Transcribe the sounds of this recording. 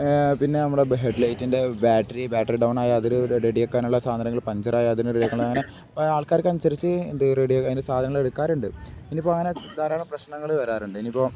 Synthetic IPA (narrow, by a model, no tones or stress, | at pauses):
pinːe̞nɐmːuɭeɦeɖlɐjtːinde̞baːʈːɐɾibaːʈːɐriɖɐwnaːjaɐðiɾuɾeɽijokːaːnuɭːɐsaːd̪ʱɐnɐŋːɡɐɭpɐɲd͡ʑɐɾaːjɐɐðiɾnereɽijkːɐɳɭɐŋːɐne̞ | aːɭkaːɾɐkːɐnusɐɾit͡ɕːɨend̪ɨreɽijokːɐðiːnesaːd̪ʱɐnɐŋːɐɭeɽukːaːɾuɳɖɨenːipːoːɐŋːɐned̪aːɾaːɭɐmprɐɕnɐŋːɐɭɨʋɐɾaːɾuɳɖɨenːipːo̞ː